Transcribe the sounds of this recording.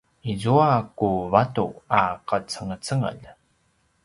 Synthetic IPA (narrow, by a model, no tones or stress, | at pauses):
izuakuvatṵaqət͡səŋət͡səŋə̰ʎ